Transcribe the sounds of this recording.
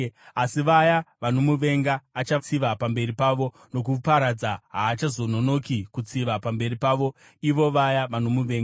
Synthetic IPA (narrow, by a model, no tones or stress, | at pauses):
asiʋajaʋanomuʋe̞ŋɡaːt͡ʃat͡siʋapambe̞ripaʋo̞ | no̞k̬upaɾad͡zaɦaːt͡ʃazo̞no̞no̞kikut͡siʋapambe̞ripaːʋo̞ | iʋo̞ʋajaʋano̞muʋe̞ːŋɡa